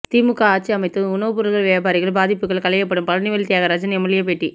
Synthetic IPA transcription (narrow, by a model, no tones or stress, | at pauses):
t̪iːmɯkːaaːt͡ʃːiɐmɐɪt̪ːɯʊnɐʋɯpʊɾɯlɣɐɭʋeːbaːɾɪɣɐɭbaːðɪpːɯkːɐɭkɐlɐjɐpːɐɽɯmpɐlɐnɪʋɐɭt̪ɪjaːɣɐɾɐd͡ʒɐnɛmɐlɪjɐpeʈːi